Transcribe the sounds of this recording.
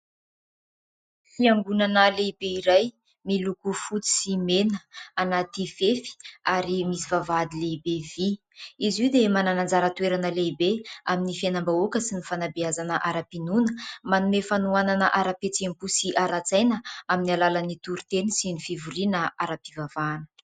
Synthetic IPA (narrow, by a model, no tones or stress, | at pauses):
fiaŋɡunanəleibeiɾaj | milukufut͡si̥simenəanat̪ifefi̥aɾimisivavad̪ilebevi | iziwd̪emananand͡zaɾət̪ueɾanəlebeaminifanambaukəsinifanabiazanəʔaɾapinunə̥manumefanuananəʔaɾapet͡sempusiʔaɾat͡sajnəaminialalanit̪uɾut̪enisinifivuɾinəaɾapivavaːnə̥